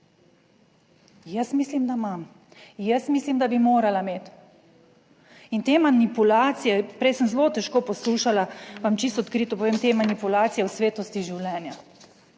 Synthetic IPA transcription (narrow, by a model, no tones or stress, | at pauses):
jəsmislimd̪amam | jəsmislimd̪abimoːɾalameːt̪ | int̪eːmanipulaːt̪sijɛpɾɛjsənzlot̪ɛʃkoːpɔsluːʃalaʋamt͡ʃist̪ɔt̪kɾiːt̪ɔpɔʋeːmt̪emanipulaːt̪sijɛwsʋeːt̪ɔst̪iʒiwlɛːnja